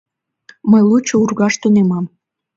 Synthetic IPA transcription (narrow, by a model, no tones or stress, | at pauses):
məjlˠut͡ɕːourɣɑʃt̪unemɑm